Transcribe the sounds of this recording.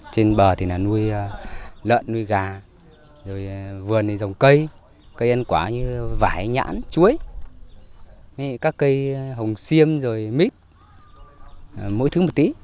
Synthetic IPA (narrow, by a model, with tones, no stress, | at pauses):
t͡ɕe˧nɓəː˨˩t̪ʰi˨˩naː˨˩nu˧əj | lə̰ː˧˨nːu˧əjɣaː˨˩ | zo˨˩jvɨ˨˩əni˨˩zə˨˩wŋ͡mkə˧j | kə˧jʔə˧nkwaː˧˩ɲɨ˧vaː˧˩jɲa̰ː˧˥nt͡ɕu˨˦əj | kaː˦˥kːə˧jɦə˨˩wŋ͡msi˧əmzo˨˩jmi˦˥t̚ | mo̰˧˥jt̪ɨ˨˦mo˨˩t̚t̪i˨˦